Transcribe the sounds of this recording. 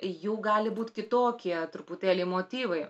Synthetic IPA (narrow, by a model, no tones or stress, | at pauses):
juːɡɑːlʲɪbuːt̪ʲkʲɪt̪oːkʲiɛt̪ɾʊput̪ʲæːlʲeɪmoːt̪ʲiːʋɐɪ